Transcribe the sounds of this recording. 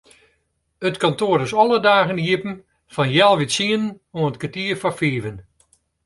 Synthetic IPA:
ətkɔntoərəsɔlˠədaːɣənjiəpn̩ | fɔnjɛlˠʋitsiənən | oəətkətiərfɔfiəvən

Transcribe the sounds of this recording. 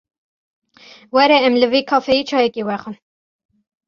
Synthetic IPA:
wɛɾɛɛmlɨviːkʰɑːfɛjiːt͡ʃʰɑːjɛkewɛxɨn

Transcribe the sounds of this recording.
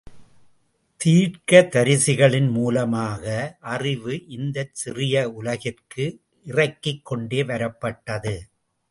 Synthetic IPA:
t̪iːʈkɐt̪ɐɾɪsɪɣɐɭɪnmuːlɐmaːɣɐʔɐrɪʋɯʔɪnd̪ɐt͡ʃːɪrɪjɐʊlɐɣɪrkɯ | ɪrɐɪkːɪkːɔɳɖeːʋɐɾɐpːɐʈːɐðɯ

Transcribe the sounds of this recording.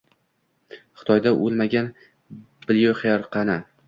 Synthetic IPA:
χɪ̥t̪ʰɒjd̪aʔolˠmaɡʲan | b̥ɪljoχjɒɾqʰɑnɪ

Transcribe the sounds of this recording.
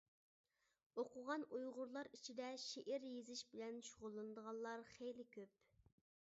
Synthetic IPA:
oqʰʊʁɑnʔujʁʊɾlˠɑɾit͡ʃʰid̪ɛʃeʔɪɾjezɪʃbɪlɛnʃuʁʊlˠːɨnɨd̪əʁɑlˠlˠɑɾχejlɪkʲʰøp̚

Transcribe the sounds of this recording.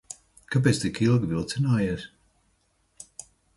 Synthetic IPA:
kap̬ɛːtst̪ikilˠɡivilˠt̪sɪnaːjeːs

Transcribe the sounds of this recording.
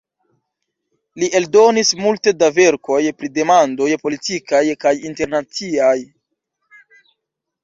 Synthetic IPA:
liʔe̞ldo̞nismulte̞dave̞ɾko̞jpɾide̞mando̞jpo̞litikajkajinte̞ɾnat͡siaj

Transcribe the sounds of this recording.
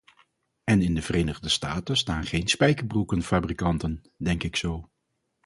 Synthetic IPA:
ɛnɪndəvərejnəχdəstaːtənstaːnχejnspɛjkəbrukənfaːbrikɑntən | dɛŋkɪksow

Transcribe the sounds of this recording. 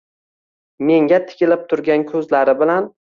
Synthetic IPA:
me̞ŋɡʲat̪ʰɪ̥kʲɪlɪp̚t̪ʰʊɾɡʲankʲʰɵzlaɾɪbɪlan

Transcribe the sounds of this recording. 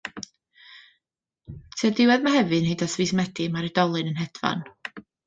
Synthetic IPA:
tʰiadɪwɛðmaɦɛvɨnhedasviːsmɛdɪmaɾɪdɔlˠɨnənɦɛd̥va̰n

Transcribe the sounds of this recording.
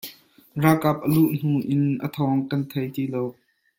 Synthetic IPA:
raːkɐp̚ʔəluʔn̥uːʔɪnʔət̪ʰɔːŋkɐnt̪ʰɐjt̪ilow

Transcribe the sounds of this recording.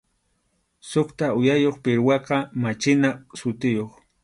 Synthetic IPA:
sʊkt̪aʊjajoχpɪɾwɑqɑmat͡ʃɪnasʊt̪ɪjoχ

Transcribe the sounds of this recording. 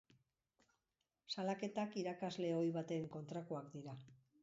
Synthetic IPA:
salake̞t̪akiɾakazle̞o̞jβat̪e̞ŋko̞nt̪ɾakoakd̪iɾa

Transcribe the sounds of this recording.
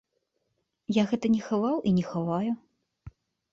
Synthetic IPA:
jaɣɛt̪ɐnʲɛxavawʔinʲɛxavaju

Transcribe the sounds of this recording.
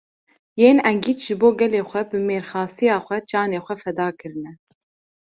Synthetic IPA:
jeːnɛŋɡiːt̪ʒ̥ɨboːɡɛleːxʷɛbɨmeːɾxɑːsijɑːxʷɛd͡ʒɑːneːxʷɛfɛd̪ɑːkʰɨɾɨnɛ

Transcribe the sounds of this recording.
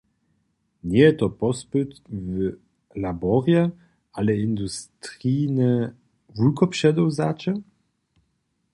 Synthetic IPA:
ɲɛɛt̪ɔpɔspɨt̪v | labɔrjɛ | ʔalɛind̪ust̪ɾiːnɛ | vulkɔpɕɛd̪ɔwzat͡ʃɛ

